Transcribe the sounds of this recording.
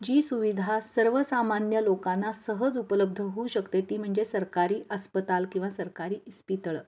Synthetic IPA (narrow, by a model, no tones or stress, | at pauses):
d͡ʑiːsuʋid̪ʱasəɾʋəsamanjəlokanːasəɦəd͡zupələb̚d̪ʱəɦuːɕəkt̪et̪iːm̤əɳd͡zesəɾkaɾiːʔəspət̪alkĩw̃ʋasəɾkaɾiːʔispit̪ɭə